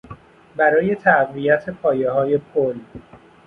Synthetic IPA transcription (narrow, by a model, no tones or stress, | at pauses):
bæɾɒːje̞t̪ʰæɢvijæt̪ʰe̞pʰɒːje̞ɦɒːje̞pʰol